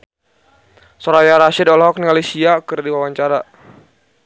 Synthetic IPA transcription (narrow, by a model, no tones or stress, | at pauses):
sɔɾajaɾaʃidɔlɦɔk̚niŋalisiakɨrdiwawaɲt͡ʃaɾa